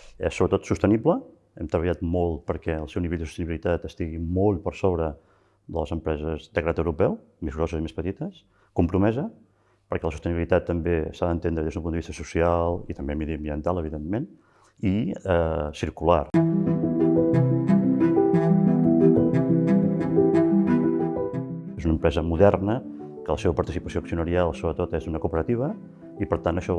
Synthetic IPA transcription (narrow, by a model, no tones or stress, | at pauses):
ɛ̰sːoβɾət̪ot̪sust̪əniblə | ɛmt̪ɾəβəʎat̪mɔlˠt̪̚pəɾkɛə̰lˠsɛwniβɛʎd̪əsu̥st̪əniβilit̪at̪əst̪iɣimɔlˠpəɾsoβɾə | ðələzəmpɾɛzəzd̪əɣɾat̪əwɾupɛw | mezɣɾɔsəzimespət̪it̪əs | kumpɾumɛzə | pəɾkɛləs̬ust̪əniβilit̪at̪ːəmbesaðənt̪enɾəðezðumpund̪əβist̪əsusialˠit̪əmbeməðiəmbiənt̪alˠəβiðemːen | iəsiɾkula̰r | ezunəmpɾɛzəmuðɛrnə | kələseβəpəɾt̪isipəsioːksiunəɾialˠsoβɾət̪ot̪ezunəkuːpəɾət̪iβ̞ə | ipəɾt̪anəʃɔ